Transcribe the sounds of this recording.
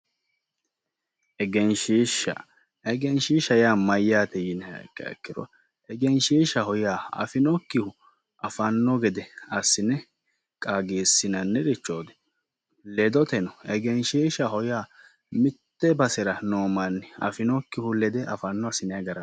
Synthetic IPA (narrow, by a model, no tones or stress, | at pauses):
ɛɡɛnʃiːʃɐ̰ | ɛɡɛnʃiːʃɐjaːmɐjːaːt̪ɛjɪnɛkːɐ̰ɛ̰kːɪɾɔ̰ | ɛɡɛnʃiːʃɐɦɔjaːɐ̰fɪnɔkːɪhʊ | ɐfɐnːɔɡɛd̪ɛɐsːɪnɛ | kʼaːɡeːsːɪnɐnːɛɾɪt͡ʃːoːd̪ɛ̥ | lɛd̪ɔt̪ɛnɔɛɡɛnʃiʃɐɦɔjaː | mɪt̪ːɛbɐsɛɾɐnoːmɐnːɪɐ̰fɪnɔkːɪhʊlɛd̪ɛʔɐfɐnːɔɐsɪnɛɐɡɐɾɐ